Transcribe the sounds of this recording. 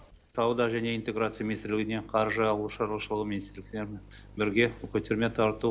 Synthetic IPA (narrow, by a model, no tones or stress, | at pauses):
t̪ʰɑwd̪ɑʒæne̞ijnt̪e̞ɡɾat̪sɨjaminist̪ɪɾlɪɡʲɪneɴqʰɑɾʒəɑlˠuʃɑɾlˠuʃəlˠəʁəminist̪ɪɾlɪkt̪eɾmen | bɪɾɡʲe̞kʲʰɵt̪e̞ɾme̞t̪ʰɑɾt̪u